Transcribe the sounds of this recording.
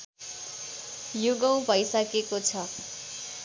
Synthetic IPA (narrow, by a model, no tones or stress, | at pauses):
joɡaw̃bʱʌjsʌkekot͡sʰʌ